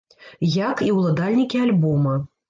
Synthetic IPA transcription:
jakiwlˠad̪alʲnʲikʲialʲbɔmɐ

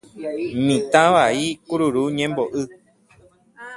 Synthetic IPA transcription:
mĩt̪ãβaikuɾuɾuɲẽmboʔɨ

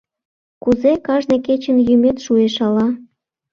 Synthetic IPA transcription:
kuzekɑʒneket͡ɕənjymet̪ʃueʃɑlɑ

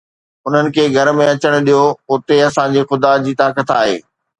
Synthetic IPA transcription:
ʊn̤ənɪ̆kʰeːɡʱɐɾmẽɐt͡ɕəɽ̃ʊ̆ɗijoʊt̪eɐsãd͡ʑexʊd̪ad͡ʑiːt̪aːkət̪aːɦḛː

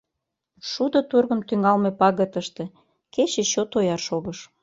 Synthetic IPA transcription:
ʃud̪ot̪urɣə̆mt̪yŋɑlmepɑɣət̪əʃt̪ĕ | ket͡ɕet͡ɕot̪ojɑrʃoɣəʃ

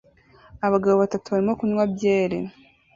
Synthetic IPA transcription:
aβaɡaβoβatatuβaɾimo̞kuɲwabje̞ːɾḛ

